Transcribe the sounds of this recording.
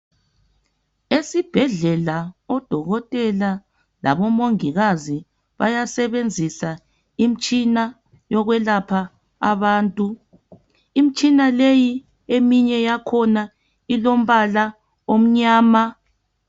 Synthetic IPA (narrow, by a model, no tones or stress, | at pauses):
esib̥ʱɛɮɛlaɔd̥ʱɔɣɔtʼɛla | la̰βɔmoŋiɣazi | βa̰jasɛβend͡zʱisa | im̩t͡ʃʼina | jɔɣwɛlapʰaː | βaːntʼu | im̩t͡ʃʼinaleji | emiɲɛjakʰɔna | ilom̩βala | om̩ɲaːma